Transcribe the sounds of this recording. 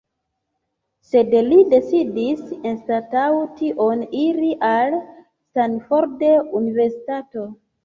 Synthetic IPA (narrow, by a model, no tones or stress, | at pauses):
se̞dlide̞sidisenstatawtiʔoniliʔal | stanfoɾdeunive̞ɾsi̥tato̞